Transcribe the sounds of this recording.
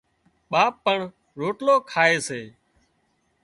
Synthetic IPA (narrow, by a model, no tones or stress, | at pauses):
ɓaːpːəɳ | ɾoːʈloːkʰaːeːseː